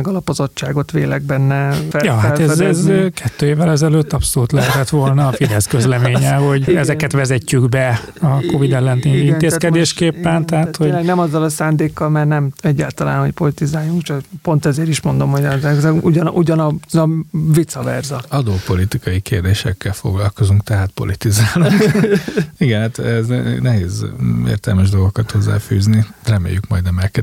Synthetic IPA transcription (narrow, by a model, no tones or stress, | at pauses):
ɛɡɒlɒpozo̞t͡ʃːaːɡo̞t̪ʋeːlɛɡ̚bɛnːɛfɛjɒːɦalt̪ɛɛzɛzkʰɛt̪ːøːeːvːɛlɛzɛløːt̪ːɒpso̞luːt̪lɛɦɛt̪ɛt̪ʋo̞lnɒːfid̪ɛskø̞zlɛmeːɲɛɦo̞ɟɛzɛkɛt̪ʋɛzɛcːyɡbɛ | ɒko̞vid̪ɛlːɛnt̪iniineːskɛd̪eːʃkeːpːɛnt̪ɛɦaːt̪hoɛnɛmɒzːɒlɒsaːnd̪eːkːɒlmɛrnɛmɛɟːa̰ːlt̪ɒla̰ːnɦo̞cpo̞lit̪izaːjːuŋkt͡ʃɒpo̞nt̪ɛzeːɾiʃmo̞nd̪o̞mhoɟɛzɛɡzɛuɟɒnuɟɒnɒzɒvit̪sɒvɛ̰rzɒɒd̪oːpo̞lit̪ikɒjikeːrd̪eːʃɛ̰kːɛlfo̞̰ɡlɒlko̞zuŋkt̪ɛɦaːt̪̚po̞̰lit̪izaːluŋ | iɡɛnhaːt̪ɛzɛnɛɦeːzḛːrt̪ɛlmɛʒd̪o̞lɡokɒt̪ho̞zːa̰ːfy̰ːznirɛmḛːjykmɒ̰jd̪nɛmɛkɛ